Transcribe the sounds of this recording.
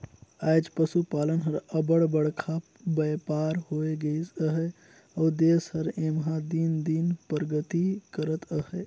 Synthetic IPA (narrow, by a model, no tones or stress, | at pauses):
aːjd͡ʒpəsupaːlənɦəɾəbəɽbəɽkʰa | bəjpaːɾhoːeɡəisəɦɛ | ɔːd̪eːshəɾẽːmɦãd̪ind̪iːnpəɾɡət̪ikəɾət̪əhɛ